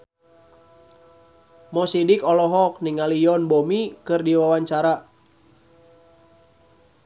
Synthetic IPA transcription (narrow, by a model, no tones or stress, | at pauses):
mɔsidikɔlɔɦɔk̚niŋalijɔnbomikɨrdiwawaɲt͡ʃaɾa